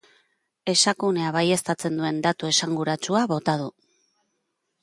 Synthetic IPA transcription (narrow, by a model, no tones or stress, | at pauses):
e̞sakune̞aβaje̞st̪at͡se̞nd̪ue̞nd̪at̪ue̞saŋɡuɾat͡suaβo̞t̪aðu